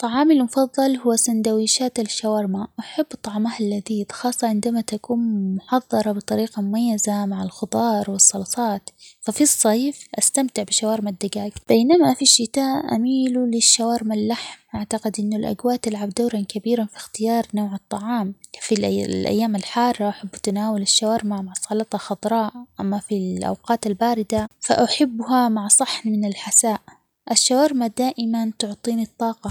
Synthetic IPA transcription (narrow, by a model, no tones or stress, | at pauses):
t̪ˤːɑʕɑːmɪlmʊfɑðˤːɑlhʊwːasand̪awiːʃaːt̪ɪlʃawɑːɾmaʔaħabːt̪ˤɑʕmahɪlːaðiːd̪xɑːsˤːɑʕɪnd̪amat̪akuːnmmʊħɑðˤːɑɾˤɑbɨt̪ˤɑɾiːqamʊmajːazamaʕɪlxʊd̪ˤɑːɾˤwɪsˤːɑlsˤɑːt̪fafisˤːɑːfʔast̪amt̪ɪʕbɪʃawɑːɾmad̪ːaɡaːɡb̥eːnamafiʃːɪt̪aːʔʔa̰miːlulɪʃːawɑːɾmalːaħmʔaʕt̪aqɪd̪ʔɪnːʊlʔa̰ɡwaːʔt̪ɪlʕabd̪aːɾˤɑnkabiːɾanfi̥xt̪ɪjɑːɾˤnoːʕɨt̪ˤːɑʕɑːmfilʔlʔa̰jːaːmalħɑːrˤːɑʔaħɪbːat̪anaːwalɪʃːawaːɾmaʕmaʕsˤɑlɑt̪ˤɑxɑd̪ˤɾˤɑːʔʔamːafilʔa̰wqɑːt̪albaːɾɪd̪afa̰ʔaħɪbːhamaʕsˤɑħnmɪnɪlħasaːʔ | ʔaʃːawɑːɾmad̪aːʔɪmant̪ʊʕt̪ˤiːnit̪ˤːɑːqɑ